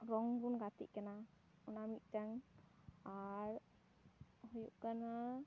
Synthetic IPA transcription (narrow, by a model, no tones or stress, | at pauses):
ɾɔŋbunkat̪ḭʔkəna | unamiʔt̪aŋ | aɾ | hjuʔkəna